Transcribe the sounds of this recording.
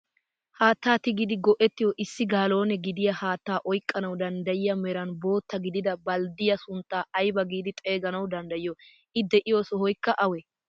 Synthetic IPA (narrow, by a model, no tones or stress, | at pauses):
haːt̪ːaːt̪ɪɡɪd̪ɪɡɔʔɛt̪ːɪjɔʔɪsːɪɡaːlo̞ːnɛɡɪd̪ɪjɐhaːt̪ːaːʔɔjkʼːɐnɐwd̪ɐnd̪ɐjɪjɐmɛɾɐnbo̞ːt̪ːɐɡɪd̪ɪd̪ɐbɐld̪ɪjɐsʊnt̪ːaːʔɐjbɐɡiːd̪ɪt̪ʼe̞ːɡɐnɐwd̪ɐnd̪ɐjɪjɔ | ʔɪd̪ɛʔɪjoːsɔhɔjkːɐʔɐwɛ